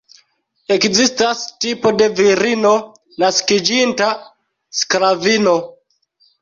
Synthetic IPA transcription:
e̞kzistastipo̞de̞viɾino̞ | naskid͡ʒinta | skɾavino̞

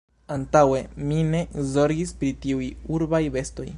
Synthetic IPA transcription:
antawe̞mine̞zo̞ɾɡispɾitiujuɾbajbe̞sto̞̰j

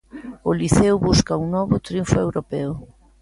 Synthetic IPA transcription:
oliθɛwβuskauŋnɔβʊt̪ɾiuɱfoewɾopɛʊ

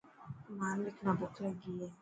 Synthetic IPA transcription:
man̩lɪknabʊkaɡijɛ

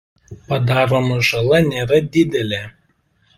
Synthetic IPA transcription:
pɐd̪ɑːɾoːmɐʒɐlˠɐnʲeːɾɐd̪ʲɪd̪ʲɛlʲeː

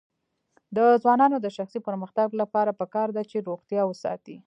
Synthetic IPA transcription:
d̪əzwɑnɑnod̪əʃaxsipəɾməxt̪aɡlapɑɾapəkɑɾd̪at͡ʃeɾoɣt̪jɑwəsɑ̰t̪i

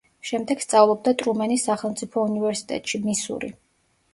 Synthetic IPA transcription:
ʃɛmd̪ɛɡ̥st̪sʼavlˠɔb̚d̪at̪ʼɾumɛnisːaχɛlˠmt̪sʼipʰɔunivɛɾsi̥t̪ʼɛ̰t̪ʼʃimisṵɾḭ

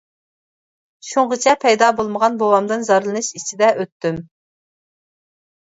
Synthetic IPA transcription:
ʃuɴʁət͡ʃʰɛpʰɛjd̪ɑːbolˠməʁɑnbowɑmd̪ɨnzɑɾlˠɨnɨʃit͡ʃʰid̪ɛʔøt̪ːym

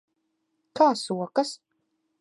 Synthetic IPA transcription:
kʰaːsuɔkas

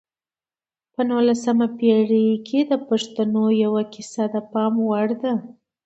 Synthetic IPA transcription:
pənulasamapeɽikʰed̪əpaʂt̪anojawakɪsad̪əpɑmwaɽd̪a

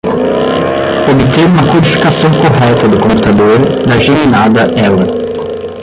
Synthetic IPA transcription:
obɪt̪eɾũmɐkuɾifi̥kasɐ̃w̃koɦɛt̪ɐd̪ʊkõmpu̥t̪ad̪oɾd̪ɐʒeminad̪ɐʔɛwɐ

